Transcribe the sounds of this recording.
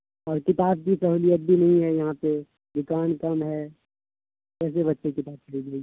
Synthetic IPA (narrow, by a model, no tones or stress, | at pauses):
ɔːɾkɪt̪aːb̚kisɐɦuːlijət̪̚bʱinɐɦĩɦɛjɐɦãpe | d̪ʊkaːnkɐmɦɛ | kɛːs̬eβɐtːʃekɪp̪aːs̚kʰɐɽid͡ʒaːi